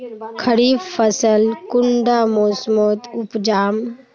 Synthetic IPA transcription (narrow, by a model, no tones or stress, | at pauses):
kʰəɾiːbfəsəlkʊɳɖaːmoːsmoːt̪ʊpd͡ʒaːm